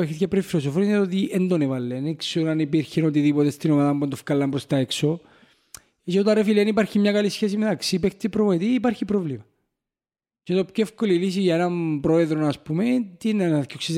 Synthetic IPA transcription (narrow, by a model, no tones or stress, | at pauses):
eçet̪cɐpɾeifːilos̬ofoninet̪ot̪iʔend̪onevɐlːenekseonɐnipiɾçenot̪̬iðipot̪est̪inomaðɐmbund̪ofkɐlːɐmpɾost̪ɐekso | it͡ʃːt̪ɐrefilenipɐɾçimɲɐkɐlisçes̬imet̪ɐksipekt̪ːepɾomot̪iːpɐɾçipɾovlimɐ | cet̪opçoefkolilis̬iʝɐenɐmpɾo̞eðɾonɐspumet̪inenkoksiz